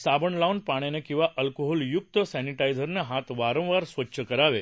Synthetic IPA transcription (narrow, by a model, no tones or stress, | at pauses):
sabəɳlaunpaɽ̃jenekĩw̃ʋaʔəlkoɦɔljuk̚t̪əsɛniʈajd͡zəɾneɦat̪ʋaɾə̃w̃ʋaɾsʋətːɕʰəkəɾaʋe